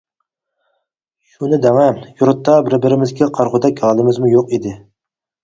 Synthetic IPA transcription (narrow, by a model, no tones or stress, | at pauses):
ʃunɪd̪ɛŋɛjuɾʊt̪ːɑbɪɾbɪɾɪmɪzɡʲɛqʰɑɾʁʊd̪ɛkʲɑlˠɨmɪzmujoqid̪ɪ